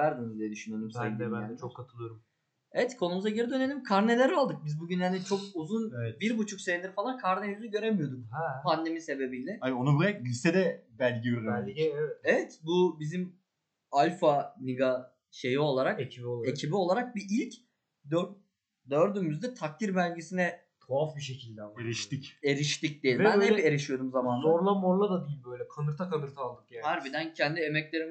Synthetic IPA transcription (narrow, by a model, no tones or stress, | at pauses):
æɾd̪inizd̪ijed̪yʃynølymseinit͡ʃʰokkʰːat̪ʰɯlˠɯjoɾum | evɛt̪kʰo̞numuzaɟeɾid̪ø̞ne̞lʲimkʰaɾne̞lʲeɾalˠd̪ɯk̚bizbuɟynhanit͡ʃʰo̞k̚uzunɛbiɾbut͡ʃʰukse̞vind̪iɾfalˠankʰaɾnelynyɟø̞ɾemijo̞d̪ukhpʰand̪e̞mise̞be̞bilʲɛaionuɡulˠajakʲisɛd̪ɛbælʲɟiiɾɾɛevɛt̪bubizim | alʲfaniɡa | ʃe̞jio̞lˠaɾakecʰibiolˠaecʰibio̞lˠaɾak̚biʔilʲc | d̪ø | d̪øɾd̪ymyzd̪ɛt̪ʰak̚t̪ʰiɾbælʲɟesinɛ | kʰoafbiʃ̬ecʰilʲd̪ɛaeɾiʃt̪ice̞ɾiʃt̪ic̚d̪ijɛlʲbænhepe̞ɾiʃijo̞d̪umzamanoɾlˠamoɾlˠad̪ad̪ijilʲbøjlʲɛkʰanɯɾt̪ʰakanɯɾt̪ʰalˠd̪ɯk̚jahaɾbid̪æncʰɛnd̪ie̞mɛclʲe̞ɾim